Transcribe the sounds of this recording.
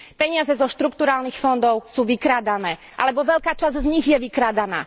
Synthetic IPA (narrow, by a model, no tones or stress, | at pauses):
pɛɲɪazɛzɔʃt̪ɾukt̪uɾaːlnixfɔnd̪ɔʊsuːʋikɾaːd̪anɛːʔa̰lɛbɔʋɛʎkaːt͡ʃazzɲiɣjɛʋikɾaːd̪ana̰ː